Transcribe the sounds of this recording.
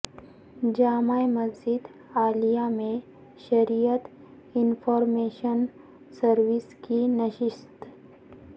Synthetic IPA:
d͡ʒaːmajmɐzd͡ʒɪd̪ | aːlijamẽ | ʃɐɾijət̪ | ɪnfʰɔːɾmeːʃən | səɾʋɪskinɐʃɪʃt̪

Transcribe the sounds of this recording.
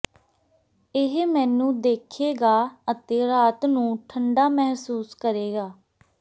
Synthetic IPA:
ɪɦmɛːnũːd̪eːkʰeːɡaːət̪eːɾaːt̪nũːʈʰəɳɖaːmɛɦsuːskəɾeːɡaː

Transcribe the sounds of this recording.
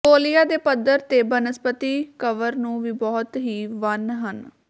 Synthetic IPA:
koːlijaːd̪eːpəd̪əɾt̪eːbənəspət̪iːkəʋəɾnũːʋiːbɔːt̪ɦiːʋənɦən

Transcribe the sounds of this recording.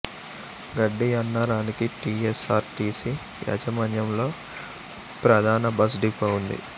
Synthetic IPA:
ɡɐɖːiɐnːɐɾaːnikiʈiːesaːɾt̪iːsi | jɛ̰d͡ʒɐmɐnjɐmlo̞ː | pɾɐd̪ʱaːnɐbɐs̬ɖipːɐwund̪ḭ

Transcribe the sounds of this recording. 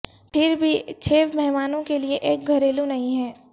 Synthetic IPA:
pʰɪɾbʱit͡ʃʰeːʋmɛɦmaːnõkelieʔeːk̚ɡʱɐɾeːlũnɐɦĩɦɛː

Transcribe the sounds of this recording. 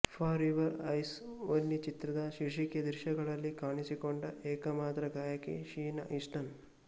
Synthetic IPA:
pʰaːɾiʋɐɾɐjsʋɐnːit͡ʃit̪ɾɐd̪ɐʃiɾʂikjɐd̪ɾʃɐɡɐɭɐlːikaːɳisikoɳɖɐʔeːkɐmaːt̪ɾɐɡaːjɐkḛʃiːnɐ̰ʔisʈɐn

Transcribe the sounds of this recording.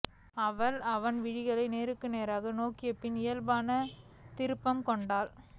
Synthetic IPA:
ɐʋɐlɐʋɐnʋɪɽɪɣɐɭɐɪneːɾɯkːɯneːɾaːɣɐnoːkɪjɐpːɪnɪjɐlbaːnɐ | t̪ɪɾɯpːɐmkɔɳɖaːl

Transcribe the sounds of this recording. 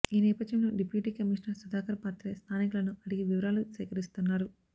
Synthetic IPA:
iːnɛːpɐd̪jɐmloːɖipjuːʈiːkɐmiːʂnɐɾsud̪aːkɐɾɐpaːt̪ɾest̪ʰaːnikulɐnuʔɐɽiɡiʋiʋɐɾaːlusʋɛːkɐɾist̪unːaːɾu

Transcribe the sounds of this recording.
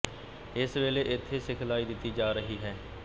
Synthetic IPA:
ɪsʋeːleːʔɪt̪ʰːeːsɪkʰlaːiːd̪ɪt̪ːiːd͡ʒaːɾəɦiːɦɛː

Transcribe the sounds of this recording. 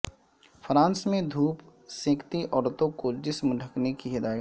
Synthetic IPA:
fʰɾãːnsmẽd̪ʱuːp | sẽːkʰt̪iʔɔːɽt̪õkod͡ʒɪsmɖʱɐknekiɦɪd̪aːjət̪

